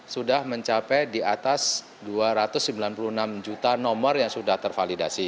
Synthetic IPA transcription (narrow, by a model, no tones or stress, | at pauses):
sudahməɲt͡ʃapɛdiat̪as | duaɾat̪ʊsːmbilanpuluhnamd͡ʒut̪anɔmərjaŋsudaht̪ərfalidasi